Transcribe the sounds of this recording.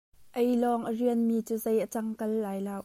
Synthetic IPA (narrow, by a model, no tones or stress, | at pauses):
ʔejlɔːŋʔəriənmiːt͡suːzejʔət͡sɐŋkɐlːaːjlaːwʔ